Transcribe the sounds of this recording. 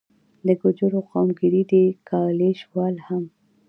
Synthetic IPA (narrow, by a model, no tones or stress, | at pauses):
d̪əɡʊd͡ʒʊɾoqɑmɡɪɾid̪ekɑleʃwɑlham